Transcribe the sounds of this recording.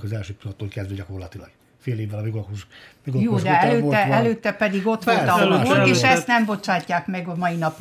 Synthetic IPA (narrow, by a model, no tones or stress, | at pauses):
kɒzɛlʃøːpilɒt̪ːoːlkɛzd̪ʋøɟɒko̞rlɒt̪ilɒ̰ɡ | feːleːvːɛlɒbiɡuʃiɡojoːd̪ɛɛløːɛɛløːt̪ːɛpɛd̪iɡo̞t̪ʋolɒkork̪eːʃɛst̪nɛmbo̞t͡ʃaːcːaːkmɛɡɒmɒjinɒp